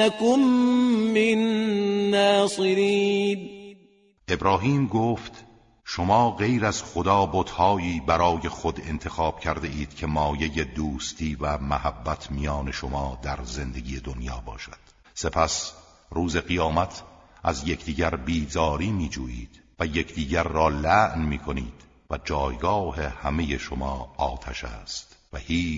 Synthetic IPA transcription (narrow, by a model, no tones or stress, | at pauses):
akʊmː | ɪnː | æːsɨɾi | ʔe̞bɾɒːɦiːmɡoːft̪ | ʃomɒːɣe̞jɾæz̥χod̪ɒːbod̪hɒːiːbæɾɒːjexod̪e̞̰nt̪ʰe̞xɑːb̥cʰæɾd̪e̞ʔiːd̪̥cʰe̞mɒːje̞je̞d̪uːst̪ʰiːvæmæhæbːæt̪ʰmijɒːne̞ʃomɒːd̪æɾze̞nd̪e̞ɡʲiːje̞d̪onjɒːbɒːʃæd̪̥ | se̞pʰæs | ruːze̞ɣijɒːmæt̪ʰ | ʔæzjekʰd̪iːɡæɾbiːzɒːɾiːmiːd͡ʒuːʔiːd̪̥ | væjekʰd̪iːɟæɾːɒːlæʔnmiːkʰo̞niːd̪̥ | væd͡ʒɒːjɡɒːhe̞hæmeje̞ʃomɒːɒːt̪ʰæʃæ̰ːst̪væhiː